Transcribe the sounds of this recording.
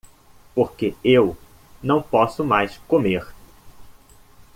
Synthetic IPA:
poɾkeew | nɐ̃w̃pɔsʊmajskõmeɾ

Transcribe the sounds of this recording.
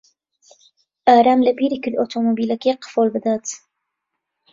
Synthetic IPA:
ʔaːɾaːmlabiːɾikilʔot̪ʰomobilakiqfoːlbəd̪aːt̪

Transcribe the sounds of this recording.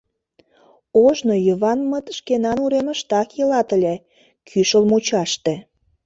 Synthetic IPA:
oʒnojəβɑnmət̪ʃkenɑnuɾemə̆ʃt̪ɑkjəlɑt̪əlʲe | kʰyʃəlmut͡ɕɑʃt̪ĕ

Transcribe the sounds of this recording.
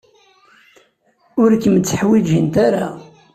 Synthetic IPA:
ʊɾkːəmt͡sːəħwid͡ʒint̪aɾa

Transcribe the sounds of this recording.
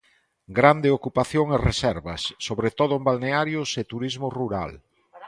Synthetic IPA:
ɡɾand̪eokupaθjoŋeresɛɾβɐsːoβɾet̪oðʊembalneaɾjʊset̪uɾizmoruɾa̰l

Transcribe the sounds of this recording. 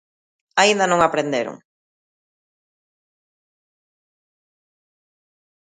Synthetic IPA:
aind̪anõŋapɾend̪eɾʊ̰ŋ

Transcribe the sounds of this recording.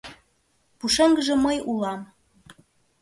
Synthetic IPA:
puʃĕŋɡəʒĕməjulɑm

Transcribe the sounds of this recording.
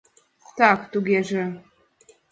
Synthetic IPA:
t̪ɑkt̪uɣeʒĕ

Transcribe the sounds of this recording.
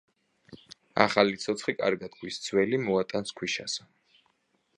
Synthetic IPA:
a̰χalit̪sʰɔt̪sʰχikʼa̰ɾɡad̪̚kʰwist̪sʰwɛlimɔat̪ʼanskʰwiʃa̰s

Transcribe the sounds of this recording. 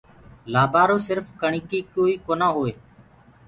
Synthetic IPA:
laːbaːɾoːsɪɾfkəɳiːkiːkoːiːkoːnãːɦoːeː

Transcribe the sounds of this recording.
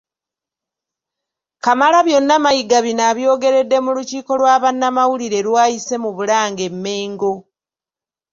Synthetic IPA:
kamalaβjo̞nːamajiɡaβinaβjo̞ːɡe̞ɾe̞dːe̞muluciːko̞lwaːβanːamawuliɾe̞lwaːjise̞muβulaːŋɡe̞mːe̞ːŋɡo̞

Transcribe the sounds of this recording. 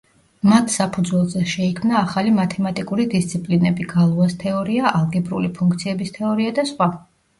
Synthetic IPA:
mat̪ʰsapʰud̪zwɛlˠzɛʃɛikʰmnaːχalimat̪ʰɛmat̪ʼikʼuɾid̪ist̪sʰipʼlinɛbiɡalˠɔvast̪ʰɛɔɾiaʔalˠɡɛbɾṵlipʰuŋkt̪sʰiɛbist̪ʰɛɔɾiad̪asχwa

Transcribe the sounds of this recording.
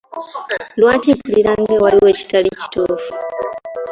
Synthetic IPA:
lwaːtepuliɾaŋɡewaliwe̞ːci̥talici̥toːfu̥

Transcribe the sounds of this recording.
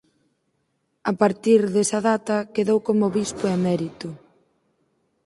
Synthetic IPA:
apaɾt̪iɾðesɐðat̪ɐkeðowkomoβispoɛmɛɾit̪ʊ

